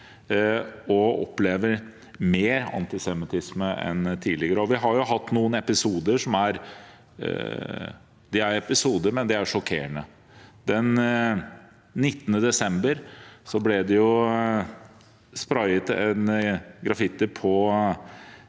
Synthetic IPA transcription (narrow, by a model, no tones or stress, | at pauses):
ɔɔ̰pːleːʋəɾ | meːɾɑ̰nt̪ɪsɛmɪt̪ʰɪsməʔɛ̰nt̪ʰiːlɪɡəɾəɔʋɪɦɑɾjʊɦɑt̪ːnuːənɛpɪsuːd̪əʂɔmæɾ | d̪ɛæɾɛpɪsuːd̪əɾmɛnd̪ɛæɾʂɔkʰḛːəɳə | d̪ɛn | ɪt̪ːənəd̪ɛsɛmbəɾsɔblɛd̪ɛjʊ | spɾɑɪət̪ɛnɡɾɑfɪt̪ːɪpʰɔ